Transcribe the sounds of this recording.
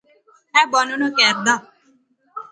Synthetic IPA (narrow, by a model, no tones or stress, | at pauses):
ɛbɔnunɔkɛɾd̪a